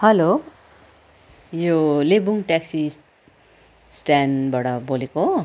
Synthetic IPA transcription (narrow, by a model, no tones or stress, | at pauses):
hʌlo | jolebuŋʈaksi | sʈanbaɽʌboleko